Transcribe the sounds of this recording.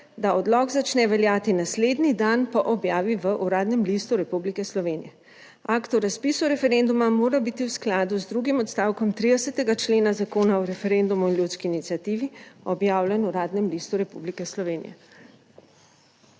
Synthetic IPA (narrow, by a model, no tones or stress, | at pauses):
d̪aɔd̪lɔɡzat͡ʃnɛʋɛljaːt̪inasleːd̪nid̪anpɔʔɔbjaːʋiʋəʔuɾaːd̪nɛmlist̪uɾɛpublikɛslɔʋeːnijɛ | akt̪ɔɾaspiːsuɾɛfɛɾend̪umamoːɾabit̪iwsklaːd̪uzd̪ɾuɡimɔt̪st̪aːwkɔmt̪ɾid̪ɛsɛt̪ɛɡat͡ʃleːnazakoːnaɔɾɛfɛɾend̪umuinljut̪skiːnit̪siat̪iːʋiɔbjaːwlʲɛnuɾaːd̪nɛmlist̪uɾɛpṵblikɛslɔʋeːnḭjɛ̰